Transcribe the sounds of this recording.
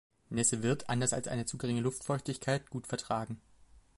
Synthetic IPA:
nɛsəvɪɐtʰʔa̰ndɐsa̰lsʔa̰ɪnət͡suːɡəʁɪŋəlʊftfɔɪçtɪçkʰaɪt̚ɡ̥uːtfɛɐtʁ̥aːɡŋ̩

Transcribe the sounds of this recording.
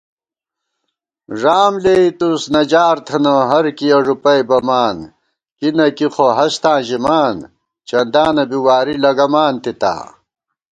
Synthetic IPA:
ʐaːmleit̪usnɐd͡ʑaːɾt̪ʰɐnɐɦɐɾkijɐʐupɐjbɐmaːn | kinɐkixoɦɐst̪ãːʑimaːn | t͡ɕɐnd̪aːnɐbiwaːɾilɐɡɐmaːnt̪it̪a̰ː

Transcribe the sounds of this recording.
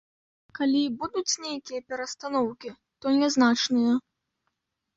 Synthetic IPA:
kalʲibud̪ut͡sʲnʲejkʲijɐpʲɛɾɐst̪anɔwkʲi | t̪ɔnʲɛznat͡ʂnɨjɐ

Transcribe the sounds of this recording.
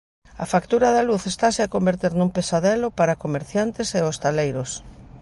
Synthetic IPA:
ɐfakt̪uɾɐðɐluθest̪aseakombeɾt̪eɾnũmpesaðɛlopaɾakomeɾθjant̪ɪseost̪alejɾʊs

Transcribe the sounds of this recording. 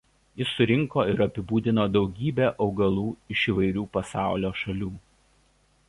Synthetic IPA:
jɪsːʊɾʲɪŋkoːɪɾɐpʲɪbuːd̪ʲɪnoːd̪ɒʊɡʲiːbʲeːʔɒʊɡɐlˠuːɪʃiːʋɐɪɾʲuːpɐsɑˑʊlʲoːʃɐlʲuː

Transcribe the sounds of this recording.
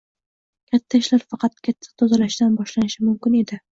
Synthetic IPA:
kʲʰat̪ʰːaɪʃlaɾfɑqʰɑt̪kʲʰat̪ʰːḁt̪ʰɒzalaʃd̪anbɒʃlanɪʃɪmʊmkʲɪne̞d̪ɪ

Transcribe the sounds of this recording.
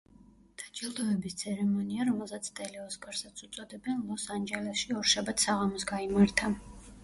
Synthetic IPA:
d̪̥ad͡ʒɛlˠd̪ɔɛbist̪sʰɛɾɛmɔniaɾɔmɛlˠzat̪sʰt̪ʼɛlɛɔskʼaɾsat̪sʰut̪sʼɔd̪ɛbɛnlˠɔsand͡ʒɛlɛsʃiɔɾʃabat̪ʰsaʁamɔsɡaimaɾt̪ʰa

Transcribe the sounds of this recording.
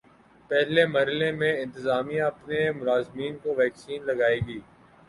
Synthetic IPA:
pɛɦlemɐɾəlẽmẽɪ̃nt̪ɪzaːmijãɐpnemʊlaːzmiːnkoʋɛːksiːnlɐɡaːeːɡiː

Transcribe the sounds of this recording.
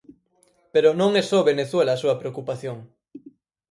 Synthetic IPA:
peɾonõŋesoβeneθwelɐːsuɐpɾeokupaθjoŋ

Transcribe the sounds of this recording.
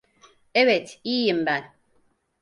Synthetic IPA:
ebetijim̩ban

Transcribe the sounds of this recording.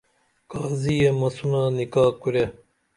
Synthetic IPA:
kaːzijemɐsunaːnikaːkuɾe

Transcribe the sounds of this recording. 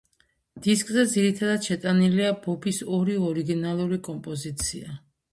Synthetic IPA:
d̪̥iskʼzɛd̪ziɾit̪ʰad̪ad̪ʃɛt̪ʼaniliabɔbisɔɾiɔɾiɡinalˠuɾikʼɔmpʼɔzit̪sʰia

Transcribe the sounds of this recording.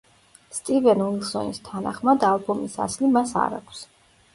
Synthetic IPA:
st̪ʼivɛnuilˠsɔ̰nist̪ʰanaχmad̪alˠbɔmisa̰slimasa̰ɾa̰kʷʰs

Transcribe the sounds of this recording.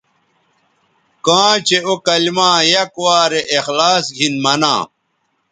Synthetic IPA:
kãːt͡ɕeokɐlmãːjɐkwaːɾeʔːxlaːsɡʱinmɐnã̰ː

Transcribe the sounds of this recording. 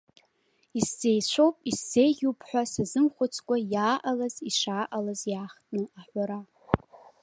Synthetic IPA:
iszejt͡ɕʷʰowpʼisz̥e̞jɡʲuwpʰħʷᶣasazɨmχʷʊt͡sʰʼkʷʼajaːʔalaziʂaːʔalazjaːχtʼnɨaħʷaɾa

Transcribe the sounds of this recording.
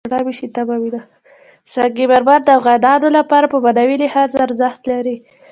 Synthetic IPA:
ɽɑbiʃit̪abɑwid̪a | saɡibaɾbaɾ̚d̪əawɣad̪ɑd̪olapɑɾapəbad̪awilɪhɑzaɾzaxt̪laɾi

